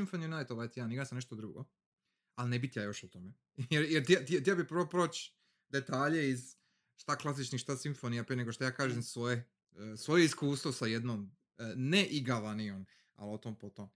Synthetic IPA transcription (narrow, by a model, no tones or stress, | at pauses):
iɱfonijunajt̪oʋajt̪ijaːniɡasamneʃt̪od̪ɾuɡo̰ | alnebit̪jajo̞ʃut̪ome | jeɾjeɾt̪iat̪iat̪̬ijabipɾʋopɾoːt͡ʃ | d̪et̪aːʎeiz | ʃt̪aklˠas̬it͡ʃnixʃt̪asiɱfonijapɾijeneɡo̞ʃt̪ojaːkaːʒemsʋoje | sʋo̞jeiskuːst̪ʋosajed̪nom | neʔiɡaʋaniom | a̰lot̪oːmpot̪om